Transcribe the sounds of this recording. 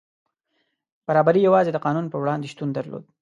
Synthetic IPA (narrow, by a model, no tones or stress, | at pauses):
b̥aɾɑbaɾijawɑzed̪əqɑnunpəwɽɑnd̪eʃt̪und̪aɾlo̰d̪̚